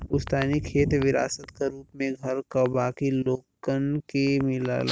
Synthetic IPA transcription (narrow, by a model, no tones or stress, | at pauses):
ʊst̪aːnikʰeːt̪ʋɪɾa̰ːsət̪kaɾuːpmẽɡʱɐɾkabaːkiloːkkənkemɪla̰ːla